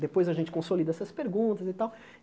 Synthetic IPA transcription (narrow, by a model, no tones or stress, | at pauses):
d̪epojzɐʒẽnt͡ʃɪkõsolid̪ɐɛsɐspeɾɡũt̪ɐzit̪aw